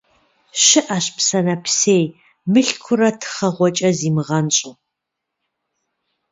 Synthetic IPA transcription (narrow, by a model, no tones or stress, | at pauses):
ɕɨʔɐɕpsɐnɐpʰseːj | mɨɬkʷʰʊɾɐtʰχɐʁʷɔt͡ʃʼɐziːmɨʁɐnɕʼɨ